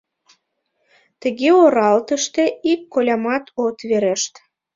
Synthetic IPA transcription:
t̪ə̆ɣeoɾɑlt̪əʃt̪eikːolʲɑmɑt̪ʰot̪βeɾeʃt̪

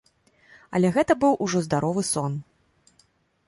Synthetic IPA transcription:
ɐ̰lʲɛɣɛt̪ɐbɨwʔuʐɔzd̪aɾɔvɨsɔn

